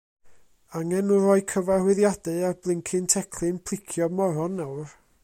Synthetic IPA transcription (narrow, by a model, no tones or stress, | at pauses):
aŋɛnuɾɔɨkʰəvarwɪðjadɨarblˠɪŋkʰɨntʰɛkʰlˠɨnpʰl̥ˠɪkʰjɔmɔɾɔnːawr